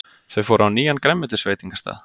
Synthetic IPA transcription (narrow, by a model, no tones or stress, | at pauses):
θœɥfoːwɾawniːjankɾɛmːɛt̪ɪ̥sveːjt̪iŋkast̪a̰ːð